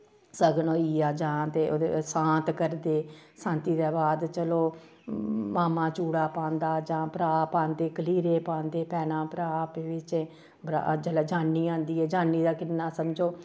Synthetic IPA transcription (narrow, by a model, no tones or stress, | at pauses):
səɡnoːiːaːd͡ʒãːt̪eːod̪esãːt̪kəɾd̪eːsãːnt̪iːd̪eːbaːd̪t͡ʃəloː | maːmãːt͡ʃuːɽaːpãːnd̪aːd͡ʒãːpəɾaːpãːnd̪eːkəliːɾeːpãːnd̪eːpɛːnãːpɾaːpeʋɪt͡ʃɛː | bɾa̰d͡ʒəlɛːd͡ʒaːnːiːãːnd̪iːɛːd͡ʒãːnːiːd̪aːkɪnːaːsəmd͡ʒoː